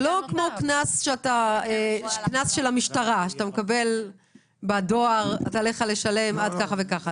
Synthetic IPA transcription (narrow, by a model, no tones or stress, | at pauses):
lo̞kmo̞knasʃeataeknasʃe̞lamiʃtaʁaʃat̪amekabe̞l | bado̞aʁataleχale̞ʃale̞mad̪kaχavekaχa